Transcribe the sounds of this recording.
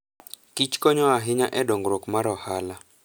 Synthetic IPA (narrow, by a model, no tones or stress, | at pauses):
kit͡ʃkɔɲɔaɦɪɲaʔɛdɔŋɡɾokmaɾɔhala